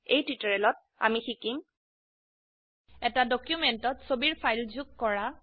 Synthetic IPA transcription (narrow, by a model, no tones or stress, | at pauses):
ejtwitɔɹɛlɔt̚ | a̰mixikim | ɛtadɔkjumɛntɔtsobiɹpʰajlzukkːɔɹa